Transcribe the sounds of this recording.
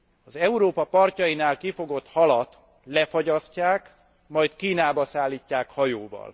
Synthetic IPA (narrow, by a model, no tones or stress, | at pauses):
ɒzɛuɾoːpɒpɒrcɒjinaːlkifo̞ɡo̞t̪hɒlɒt̪ | lɛfɒɟɒscaːk | mɒjt̪kiːnaːbɒsaːlːiːcːaːkhɒjoːvɒ̰l